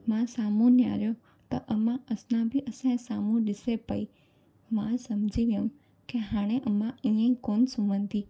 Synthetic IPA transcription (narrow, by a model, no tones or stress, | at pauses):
mãsaːmũnja̰ːɾjo | t̪ɐʔəmãəsnãbʱiʔəsãsaːmũɗɪsepəi | mãsɐmd͡ʒʱiʋjə̃m | keɦaːɽ̃eʔəmãĩːə̃ĩkoːnsumə̃nt̪i